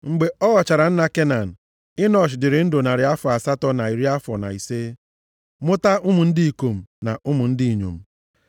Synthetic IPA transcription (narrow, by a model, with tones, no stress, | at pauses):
ŋ͡m̩˨ɡ͡be˨ɔ˦ɣɔ˨t͡ʃa˨ɾa˨n̩˦na˦˨ke˦na˨n̩˨ | ɪ˦nɔ˦˨ʃ̬ɪ˨dɪ˨ɾɪ˨n̩˦dʊ˨na˨ɾɪ˨a˦fɔ˨a˨sa˦tɔ˦na˨i˨ɾi˦a˦fɔ˨na̰˨i˨se˦ | mʊ˦ta˦ʊ˦mʊ˨n̩˦di˦i˨ko˨m̩˨na˨ʊ˦mʊ˨n̩˦dɪ˦i˨ɲo̰˨m̩˨